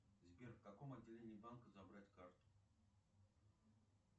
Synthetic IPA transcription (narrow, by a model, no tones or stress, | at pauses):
zʲbʲerkakomɐdʲːɪlʲenʲɪbankəzabɾatʲkart̪ʊ̥